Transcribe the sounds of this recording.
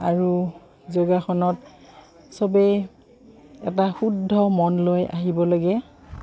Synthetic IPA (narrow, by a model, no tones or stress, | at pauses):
aɹu | zoɡaxɔnɔt | sɔbɛ | ɛtaxudʱːɔmɔnloja̰ɦibɔlaɡɛ